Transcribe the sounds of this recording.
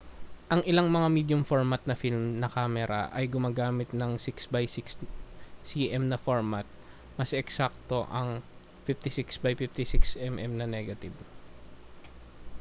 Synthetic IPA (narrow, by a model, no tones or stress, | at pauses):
ʔɐŋʔɪlaŋmɐŋamiːd̪jʊmfoɹmɐt̪̚nɐfilmnɐkaːmɛɾɐ̰ʔɐjɡʊmaːɡaːmɪt̪̚nɐŋsɪksbajsɪkssiʔɛmnɐfoɹmɐt̪̚ | mɐsɛksak̚t̪o̞ʔɐŋ | fift̪ɪsɪksbɐjfift̪ɪsɪksɛmʔɛmnɐnɛɡɐt̪ɪb